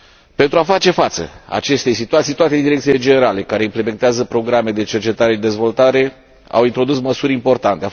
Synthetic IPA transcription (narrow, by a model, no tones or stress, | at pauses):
pe̞nt̪ɾuafat͡ʃe̞fat̪sə̰a̰t͡ʃe̞st̪ejsit̪uat̪sijt̪uat̪e̞d̪iɾek̪̚ile̞d͡ʒene̞ɾale̞kaɾe̞imple̞me̞nt̪eazəpɾo̞ɡɾame̞d̪e̞t͡ʃe̞rt͡ʃe̞t̪aɾe̞ʃid̪e̞zvo̞lt̪aɾe̞ | a̰wint̪ɾo̞d̪usməsuɾʲimpo̞rt̪ant̪e